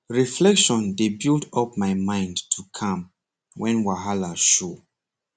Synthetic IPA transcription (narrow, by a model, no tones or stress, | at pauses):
ɹiflɛkʃɔ̃ndebiltɔp̚maɪmãɪ̃ndtʰukʰãm | wɛ̃nwaɦalaʃo